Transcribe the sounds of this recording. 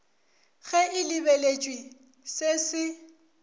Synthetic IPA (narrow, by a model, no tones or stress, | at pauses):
ɣɛʔɪlɪbelet͡ʃʼwi | sesɪ